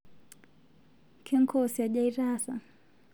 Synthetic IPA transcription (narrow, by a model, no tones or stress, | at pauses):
kʰɛŋkʰɔsiaʄaiɾasa